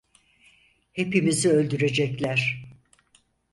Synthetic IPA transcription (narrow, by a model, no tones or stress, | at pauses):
he̞pimiziø̞lʲd̪yɾe̞d͡ʒɛclʲæɾ̥